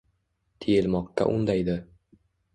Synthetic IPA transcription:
t̪ʰejelˠmɒqːa̰ʔʊ̰nd̪ajd̪ɪ

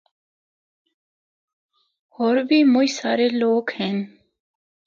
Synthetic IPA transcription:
oːɾbʱiːmʊisaːɾeːloːkhɛːn

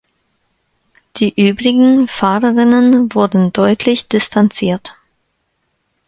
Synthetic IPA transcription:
d̥iːʔyːbʁɪɡŋ̩faːʁəʁɪnənvʊɐdn̩dɔʏtʰlɪçd̥ɪstʰant͡siːɐt

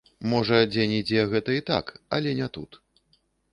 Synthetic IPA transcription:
mɔʐɐd͡zʲenʲid͡zʲɛɣɛt̪ɐit̪a̰kɐ̰lʲɛnʲɛt̪ut̪

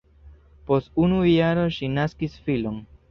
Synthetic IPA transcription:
po̞stunujaɾo̞ʃinaskisfilo̞n

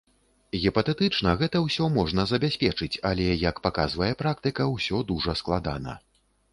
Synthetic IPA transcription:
ɣʲipɐt̪ɛt̪ɨt͡ʂnɐɣɛt̪ɐwsʲɔmɔʐnɐzɐbʲasʲpʲɛt͡ʂɨt͡sʲalʲɛjɐkpakazvɐjɛpɾak̚t̪ɨkɐwsʲɔd̪uʐɐsklˠad̪a̰nɐ̰

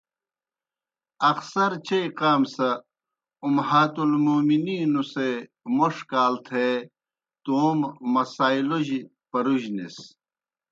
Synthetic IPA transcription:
ɐksɐɾt͡ɕejqaːmsɐ | umhaːt̪ulmoːminiːnuse | moʂkaːlt̪ʰe | t̪oːmːɐsaːiloʑi | pɐɾuʑnḭs

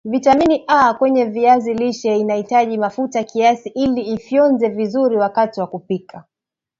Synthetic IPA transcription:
vitaminiʔakwɛɲɛviaziliʃɛinahitaʄimafutakiasiʔiliːfjɔnzɛvizuɾiwakatiwakupikʰa

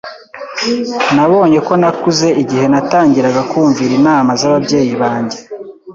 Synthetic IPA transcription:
naβo̞ːɲe̞ko̞nakuze̞ʔiɟihe̞nataːɲɟiɾaɡakuːɱviɾinaːmazaβabɟe̞ːjiβaːɲɟe̞

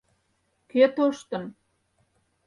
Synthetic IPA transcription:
ket̪oʃt̪ə̆n

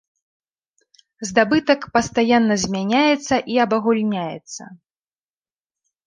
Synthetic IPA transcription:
zd̪abɨt̪ɐkpɐst̪ajanːɐzʲmʲanʲajɛt̪sːɐʔiɐbɐɣulʲnʲajɛ̰t̪sːɐ̰

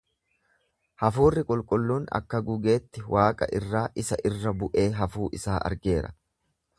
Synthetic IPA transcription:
hɐfuːrːɪkʼɔlkʼʊlːuːnɐ̰kːɐɡʊɡe̞ːt̪ːɪwʔaːkʼɐ̰ʔɪrːaːʔɪsɐʔɪrːɐbʊʔe̞ːɦɐfuːʔɪsaːʔɐ̰ɾɡe̞ːɾɐ̰

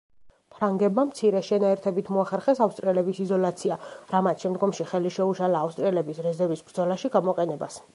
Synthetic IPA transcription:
pʰɾaŋɡɛbmamt̪sʰiɾɛʃɛnaɛɾt̪ʰɛbit̪ʰmɔaχɛɾχɛsafst̪ʼɾiɛlɛbisizɔlat̪sʰiaɾamat̪ʃɛmd̪ɡɔmʃiχɛliʃɛuʃalaːfst̪ʼɾiɛlɛbisɾɛzɛɾvisbɾd̪zɔlaʃiɡamɔqʼɛnɛbas

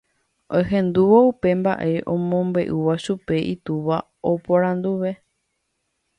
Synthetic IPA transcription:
oɦẽ̞nd̪uʋoupe̞mba̰ʔe̞ʔõ̞mõ̞mbe̞ʔuʋaʃupe̞ʔit̪uʋa | opoɾ̃ãnd̪uʋe̞

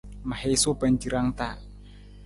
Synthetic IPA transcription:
mahesoband͡ʒiɾaŋt̪a

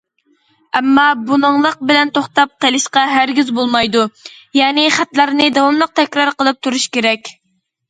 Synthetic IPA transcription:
ɛmːɑbunəŋlˠəq̚bɪlɛnt̪oχt̪ɑp̚qʰelˠɪʃqɑɦæɾɡʲizbolˠmɑjd̪ujɑːnɪχæt̪læɾnɪd̪ɑwɑmlˠəq̚t̪ʰɛkʲɾɑɾqəlˠɨp̚t̪ʰuɾuʃkʲeɾɛkʲ

